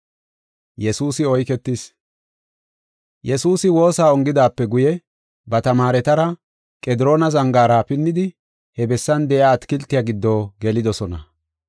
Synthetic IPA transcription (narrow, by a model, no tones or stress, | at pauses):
jɛsuːsɪɔjkɛt̪ːɪs | jɛsuːsɪwo̞ːsaːɔŋɡɪd̪aːpːɛɡʊjɛ | bɐt̪ɐmaːɾɛt̪ɐɾɐ | kʼɛd̪ɪɾo̞ːnɐzɐŋɡaːɾapɪnːɪd̪ɪ | hɛbɛsːɐnd̪ɛʔjaːt̪kɪlt̪ːɪjaɡɪd̪ːoːɡɛlɪd̪ɔsɔnɐ̰